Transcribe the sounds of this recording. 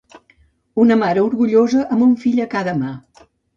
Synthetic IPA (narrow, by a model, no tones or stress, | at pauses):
unəmaɾəuɾɣuʎozəʔəmbuɱfiʎəkaðəma